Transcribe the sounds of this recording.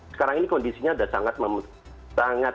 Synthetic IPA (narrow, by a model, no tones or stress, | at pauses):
sə̥kaɾaŋinikɔndisiɲaːdasa̰ŋat̪̚məmu | t̪aŋa